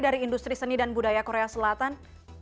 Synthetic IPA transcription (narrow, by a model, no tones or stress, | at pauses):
daɾiːndust̪ɾisənidanbudajakoɾeasəlat̪an